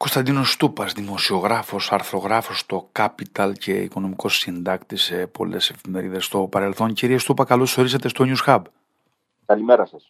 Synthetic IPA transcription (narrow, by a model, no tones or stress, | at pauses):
ko̞st̪ɐnd̪ino̞st̪upɐzðimo̞sio̞ɣɾɐfo̞sɐɾθɾo̞ɣɾɐfo̞st̪o̞kɐpit̪ɐlce̞ḭko̞no̞miko̞sind̪ɐkt̪isepo̞̰le̞̰se̞fime̞ɾiðe̞st̪o̞pɐɾe̞lθo̞nciɾiest̪upɐkɐlo̞so̞ɾisɐt̪e̞st̪o̞ɲusxɐb | kɐlimeɾɐsɐs